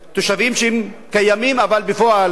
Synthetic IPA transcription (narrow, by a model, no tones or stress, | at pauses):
t̪oʃavimʃemkajamimavalbefoal